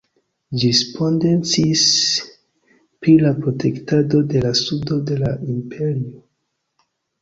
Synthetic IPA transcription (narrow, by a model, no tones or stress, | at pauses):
d͡ʒispʰo̞nde̞nt͡sis | pɾilapɾo̞tektado̞de̞lasudo̞de̞laimpʰe̞ɾio